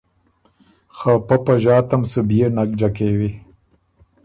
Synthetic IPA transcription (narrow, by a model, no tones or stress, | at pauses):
xapapaʒɑːt̪amsubjenak̚d͡ʒakewi